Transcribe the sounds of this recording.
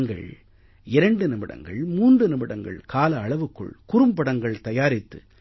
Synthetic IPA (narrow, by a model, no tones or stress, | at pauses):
ŋɡɐ̰ɭ | ɪɾɐɳɖɯnɪmɪɽɐ̰ŋɡɐ̰ɭmuːndrɯnɪmɪɽɐŋɡɐ̰ɭkaːlɐːɭɐʋɯkːɯ̰ɭkʊɾɯmpɐɽɐŋɡɐɭt̪ɐjaːɾɪt̪ːɯ̰